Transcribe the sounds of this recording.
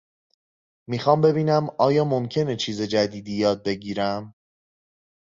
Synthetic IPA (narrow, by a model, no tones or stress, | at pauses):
miːxɒːmbe̞biːnæmʔɒːjɒːmo̞mcʰe̞ne̞t͡ʃʰiːze̞d͡ʒæd̪iːd̪iːjɒːd̪̚be̞ɟiːɾæm